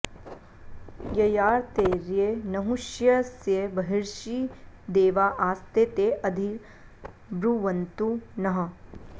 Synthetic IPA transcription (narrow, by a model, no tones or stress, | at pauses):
jɐjaːɾt̪eːɾienɐɦuʃjɐsjebɐɦɪɾʃid̪eːʋaʔaːst̪et̪eʔɐd̪ʱi | bɾuʋɐnt̪unɐɦə̃